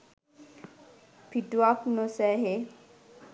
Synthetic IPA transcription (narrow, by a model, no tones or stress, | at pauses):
pʰiʈuaknosɛɦe